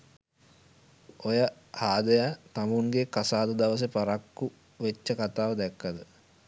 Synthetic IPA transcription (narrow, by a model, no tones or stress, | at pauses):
ojə | haːd̪əjat̪amuŋɡekasaːd̪əd̪aʋəs̬əpaɾakːu | ʋet͡ʃːəkat̪aːʋəd̪ɛkːəd̪ə